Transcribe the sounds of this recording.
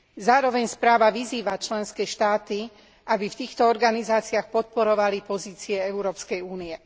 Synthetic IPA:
zaːɾɔʋɛɲspɾaːʋaʋiziːʋat͡ʃlɛnskɛːʃt̪aːt̪i | ʔabift̪iːxt̪ɔɔɾɡanizaːt͡siaxpɔt̪̚pɔɾɔʋalipɔziːt͡siɛɛʊɾɔːpskɛjuːniɛ

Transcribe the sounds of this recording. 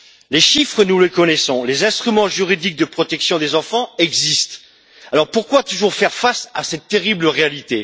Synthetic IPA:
leʃifχənuləkɔnɛsɔ̃lezɛ̃st̪χymɑ̃ʒyʁid̪ik̚d̪əpχɔt̪ɛksjɔ̃d̪ezɑ̃fɑ̃ɛɡzist̪ | alɔʁpuʁkwat̪uʒuʁfɛʁfasasɛt̪ːeʁibləʁealit̪e

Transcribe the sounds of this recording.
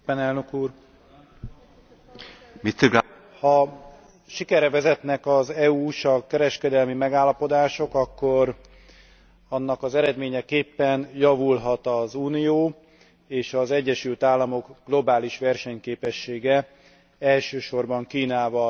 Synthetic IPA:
ɛnɛlnøkuːr | mit̪iɡ | hɒ | ʃikɛɾɛvɛzɛt̪nɛkɒzɛuːʃɒkɛɾɛʃkɛd̪ɛlmimɛɡaːlːɒpo̞d̪aːʃo̞kɒkːo̞r | ɒnːɒkɒzɛɾɛd̪meːɲɛkeːpːɛnjɒvulɦɒt̪ɒzuːnijoː | eːʃɒzɛɟːɛʃylt̪aːlːɒmo̞ɡɡ̥lo̞baːliʃʋɛrʃɛɲkeːpɛʃːeːɡɛ | ɛlʃøːʃo̞rbɒŋkiːnaːvɒ

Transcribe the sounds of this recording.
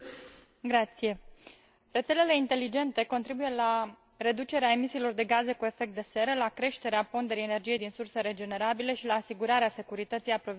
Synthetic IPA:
ɡɾat̪sije̞ | re̞t̪se̞lele̞int̪e̞lid͡ʒe̞nt̪e̞ko̞nt̪ɾibuje̞la | re̞d̪ut͡ʃe̞ɾeae̞misiːlo̞rd̪e̞ɡaze̞kue̞fe̞k̚t̪̚d̪e̞se̞ɾəlakɾe̞ʃt̪e̞ɾeapo̞nd̪e̞ɾijene̞rd͡ʒijed̪insurseɾe̞d͡ʒe̞ne̞ɾabile̞ʃilaːsiɡuɾaɾease̞kuɾit̪ət̪sijapɾo̞v

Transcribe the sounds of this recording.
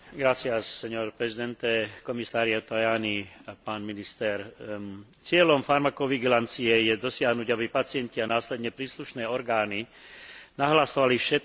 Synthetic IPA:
ɡɾat͡sɪasɛɲɔɾpɾɛzid̪ɛnt̪ɛkɔmisaːɾɪat̪ajaːnipaːnminist̪ɛɾ | t͡sɪɛlɔmfaɾmakɔʋiɡilant͡siɛjɛd̪ɔsɪaɦnuɟabipat͡sɪɛncianaːslɛd̪ɲɛpɾiːsluʃnɛːɔɾɡaːni | naɦlasɔʋalifʃɛt̪̚

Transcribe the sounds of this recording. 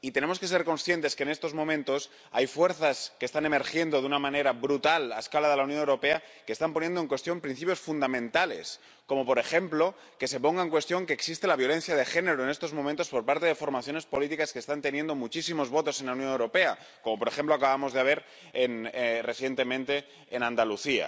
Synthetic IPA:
it̪e̞ne̞mo̞ske̞s̬e̞ɾko̞nsθje̞nt̪e̞skeːne̞st̪o̞zmõ̞mẽnt̪o̞s | ajfwe̞ɾθaskest̪ane̞me̞ɾxje̞nd̪o̞ðunamãne̞ɾabɾut̪alaeskalaðe̞lawnjonewɾo̞pe̞akest̪amponje̞nd̪oŋkwe̞st̪jo̞mpɾin̟θipjo̞sfund̪amẽnt̪ale̞̰s | ko̞mo̞po̞ɾe̞xe̞mplo̞ | ke̞se̞po̞ŋɡaeŋkwe̞st̪jo̞ŋke̞ːksist̪e̞laβ̞jo̞lẽ̞n̟θjaðexe̞ne̞ɾoenest̪ozmomẽnt̪o̞spo̞ɾpaɾt̪e̞ðe̞fo̞ɾmaθjo̞ne̞spo̞lit̪ikaskest̪ant̪e̞nje̞nd̪omut͡ʃisimo̞zβo̞t̪o̞se̞nlauwnjonewɾo̞pe̞a | ko̞mo̞poɾe̞xe̞mploakaβamo̞zðeaβ̞e̞ɾ | enre̞θje̞nt̪e̞mẽnt̪e̞ː | nãnd̪aluθia̰

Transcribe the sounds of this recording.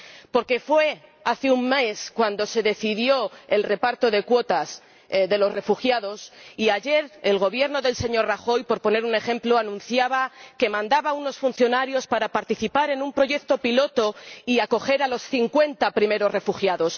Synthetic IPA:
po̞ɾkefwe̞aθeumme̞skwand̪o̞se̞ðe̞θiðjo̞e̞lre̞paɾt̪o̞ðe̞kwo̞t̪as | ðe̞lo̞sre̞fuxjaðo̞siaʝe̞ɾelɣ̞o̞βje̞ɾno̞ðe̞lse̞ɲo̞ɾraxo̞jpo̞ɾpo̞ne̞ɾune̞xe̞mploanũn̟θjaβake̞mãnd̪aβauno̞sfun̟θjo̞naɾjo̞spaɾapaɾt̪iθipaɾe̞numpɾo̞ʝe̞k̚t̪o̞pilo̞t̪o̞iako̞xe̞ɾalo̞sθiŋkwe̞nt̪apɾime̞ɾo̞zre̞fuxjaðo̞s

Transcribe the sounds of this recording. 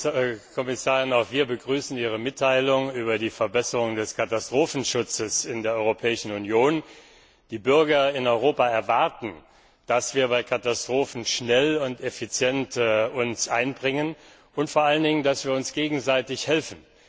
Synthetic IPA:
kʰɔmɪsaːʁɪnaʊxv̥iːɐbəɡʁyːsn̩iːʁ̞əmɪtʰːaɪlʊŋyːbɐdiːfɛɐbɛsəʁʊŋdɛskʰatastʁ̥oːfn̩ʃʊt͡səsɪndeːɐʔɔʏʁopʰɛːɪʃn̩unjoːn | d̥iːbʏɐɡɐɪnɔʏʁoːpaɛɐvaɐtn̩ | d̥asv̥iːɐbaɪkʰatastʁ̥oːfn̩ʃnɛlʊntefit͡sjɛntːʊnsʔaɪnbʁɪŋən | ʊntfoːɐʔaləndɪŋəndasv̥iːɐʊnsɡ̥eːɡŋ̩zaɪtɪçhɛlfn̩

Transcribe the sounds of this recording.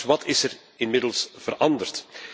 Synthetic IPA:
ʋɑtʰɪsər | ɪnmɪdəlˠsv̥ərɑndərt

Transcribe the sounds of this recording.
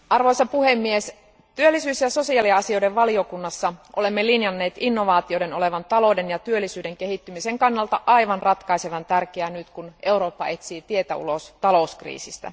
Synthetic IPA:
ʔɑrʋo̞jsɑpuhemːies | t̪yølːisyːsjɑso̞siɑliɑsio̞deʋʋɑlio̞kunːɑsːɑʔole̞mːelinjɑnːe̞ːt̪inːo̞ʋɑːt̪iode̞no̞le̞ʋɑnt̪ɑlo̞denjɑt̪yølːisyːde̞ŋk̟eɦit̪ːymiseŋkɑnːɑlt̪ɑʔɑiʋɑnrɑt̪kɑiseʋɑnt̪ærkeænyt̪kunʔe̞wɾo̞ːpːɑe̞t̪siːt̪ie̞t̪æṵlost̪ɑlo̞uskrḭːsist̪æ̰

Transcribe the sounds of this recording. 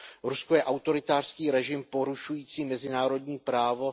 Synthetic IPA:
ɾuskojɛʔawt̪o̞ɾɪt̪aːr̥skiːɾɛʒɪmpo̞ɾuʃujiːt͡siːmɛzɪnaːɾo̞dɲiːpɾaːvo̞

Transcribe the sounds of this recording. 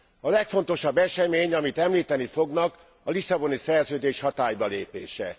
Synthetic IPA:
ɒlɛkfo̞nt̪o̞ʃɒbːɛʃɛmeːɲɒmit̪ɛmliːt̪ɛnifo̞ɡnɒk | ɒlisɒbo̞nisɛrzøːd̪eːʃhɒt̪aːjbɒleːpḛːʃɛ̰

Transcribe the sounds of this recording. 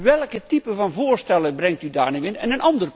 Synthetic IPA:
ʋɛlˠkətipəvɔnvoərstɛlˠəbrɛŋk̚tydaːrniʋɪnɛnənʔɑndər

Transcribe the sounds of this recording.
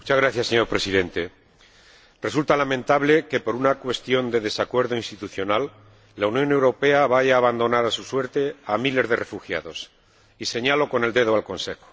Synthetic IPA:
mut͡ʃazɣɾaθjasːeɲo̞ɾpɾe̞siðe̞nt̪e̞ | re̞sult̪alamẽnt̪aβle̞ke̞po̞ɾunakwe̞st̪jo̞nd̪e̞ðe̞sakwe̞ɾðoinst̪it̪uθjo̞nalː | aunjo̞ne̞wɾo̞pe̞aβaʝaːβand̪o̞naɾasuswe̞ɾt̪e̞amile̞zðe̞refuxja̰ð̞o̞s | ise̞ɲalo̞ko̞ne̞ld̪e̞ðoalko̞nse̞xo̥

